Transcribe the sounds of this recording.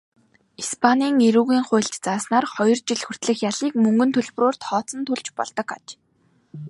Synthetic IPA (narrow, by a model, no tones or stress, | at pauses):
ispʰaniːŋeɾuːɣiːŋχʊ̟ːɬt͡ɕt͡saːsnaːrχɔjɞ̆rt͡ɕiɮxɵr̥t̪ɮɘ̆xjaɮiːkmɵŋɡɵ̆nt̪ʰɵɮpɵ̆roːr̥t̪χɔːt͡sə̆nt̪ʰuɮt͡ɕpɔ̰ɮt̪ɞ̆kat͡ɕ